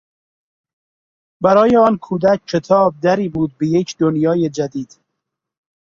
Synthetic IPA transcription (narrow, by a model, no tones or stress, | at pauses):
bæɾɒːjeɒːnkʰuːd̪ækkʰːet̪ʰɒːb̚d̪æɾiːbuːd̪̚bejecʰd̪onjɒːjed͡ʒæd̪iːd̪̥